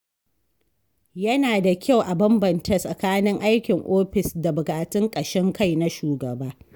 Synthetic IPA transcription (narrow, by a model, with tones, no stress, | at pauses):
jɐ˦naː˨da˨kʲa˦˨wʔa˨bɐ˦mbɐ˨nta˦sʼɐ˨kaː˦nɪ˦ŋʔa˦jkʲɪ˨ŋʔoː˦ɸɪ˨sda˨bʊ˨kʼaː˨tɪ˦ŋkʼɐ˨ʃɛ˦ŋka˦jna˦ʃuː˨ɡɐ˨baː˦